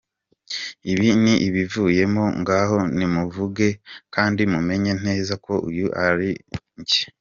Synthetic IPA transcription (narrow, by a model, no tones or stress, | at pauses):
iβiniʔiβivuje̞moŋɡaho̞nimuvuɡe̞kaːndimume̞ɲe̞n̥e̞ːzako̞ʔṵjuʔaɾiɲɟe̥